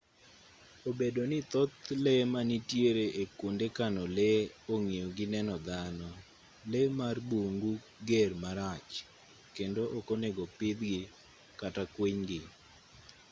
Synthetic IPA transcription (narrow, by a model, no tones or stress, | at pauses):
obedonɪt̪ɔt̪lemanitjeɾeʔekundekanɔleoŋejoɡɪnɛnɔd̪anɔ | lemarbuŋɡu | ɡermaɾat͡ʃ | kendoʔokoneɡopɪd̪ɡɪ | katakweɲɡɪ